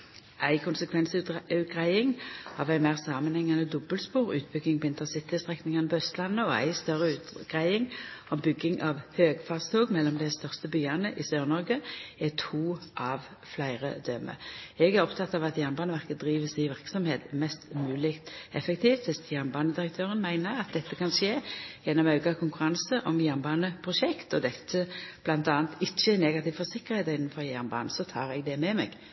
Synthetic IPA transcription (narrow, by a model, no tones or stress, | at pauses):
ʔæɪkʰʊnsəkʰʋɛnsʉʉɡʁæɪɪŋɑːʋæɪmæɪːʁsɑːmənhɛŋːɑnəd̪ɔbəlspuːʁʉ̰ːt̪̚bʏɡːɪŋpʰɔɪnt̪əsɪt̪ɪəst̪ʁɛknɪŋɑnəpʰɔœst̪lɑnːəɔæ̰ɪst̪œʁəʉːt̪ɡ̥ʁæɪɪŋɔmbʏɡːɪŋʔɑʋhøːɡfɑːʁst̪ʰoːɡmɛlːɔmd̪æst̪œʁst̪əbyːɑnəʔɪsøːʁnɔʁɡəɛt̪ʰuːʔɑʋ | flæɪʁə̰d̪œmə̰ɛɡæɾʁɔpt̪ʰɑt̪ːɑʋɑt̪jæʁnbɑːnəʋæʁkəd̪ʁiːʋəsæɪʋɪʁksɔmheːt̪mɛst̪mʉːlɪkt̪ɛfək̚t̪ʰiːft̪ʋɪst̪jæʁnbɑːnəd̪ɪʁək̚t̪ʰøːʁənmæɪnəʁɑt̪̚d̪ɛt̪ːəkʰɑnʂeːjɛnːɔmɑʉkɑkʰʊŋkʉɾɑnsəʔɔmjæʁnbɑːnəpʰʁʊʃɛkt̪ɔd̪ɛt̪ʰːəb̥lɑnt̪ɑːnt̪ʰɪçːəɛneːɡɑt̪ɪːʋfɔsɪkːəʁheːt̪ɪnːn̩fɔʁjæʁnbɑ̰ːnəsɔt̪ʰɑːʁɛɡ̚d̪ɛmɛmɛ̰ɡ